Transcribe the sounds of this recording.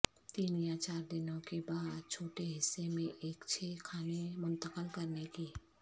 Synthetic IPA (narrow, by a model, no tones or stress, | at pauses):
t̪iːnijaːt͡ʃaːɾd̪ɪnõkebaːd̪̚t͡ʃʰoːʈeɦɪsːemẽʔeːkt͡ʃʰeːkʰaːnemʊ̃nt̪əkəlkɐɾnekiː